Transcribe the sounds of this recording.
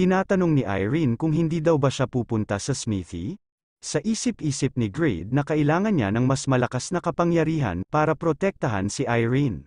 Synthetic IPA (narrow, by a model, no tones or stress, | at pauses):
t̪ɪnaːt̪ɐno̞ŋniʔa̰jɹinkʊŋɦɪnd̪iːd̪ɐwbɐʃapuːpʊnt̪ɐsɐsmiːθḭ | sɐʔiːsɪpʔiːsɪp̚nɪɡɹɛ̰jd̪̚nɐkɐʔɪlaːŋɐnɲa̰nɐŋmɐsmɐlɐkasnɐkɐpɐŋjɐɾiːɦɐ̰npaːɾɐpɾot̪ɛk̚t̪ɐɦa̰nsɪʔajɹin